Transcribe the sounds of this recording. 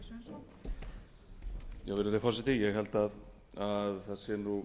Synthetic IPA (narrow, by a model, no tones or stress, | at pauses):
jawvɪɾat̪afɔrsɪt̪ijɛɣɦɛlt̪að | aðθaðsjɛnu